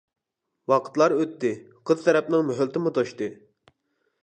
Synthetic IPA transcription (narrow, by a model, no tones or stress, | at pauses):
wɑqʰə̥t̪lˠɑɾøt̪ːɪ | qʰəz̥t̪ʰɛɾɛp̚nɨŋmøɦylt̪ɪmut̪ʰoʃt̪ɨ